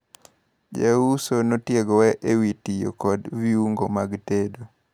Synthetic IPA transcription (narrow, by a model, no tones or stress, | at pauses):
d͡ʒausonotjeɡɔwɛʔewitijo̰kɔdviuŋɡomaɡtedo